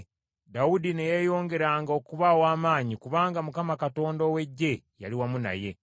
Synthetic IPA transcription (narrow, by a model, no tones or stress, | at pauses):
dawudinejeːjo̞ːŋɡe̞ɾaːŋɡao̞kuβawaːmaːɲikuβaːŋɡamukamakato̞ːndowe̞ɟːe̞ | ja̰liwamuna̰je̞